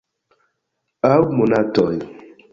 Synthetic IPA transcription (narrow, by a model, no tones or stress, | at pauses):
awmunatɔj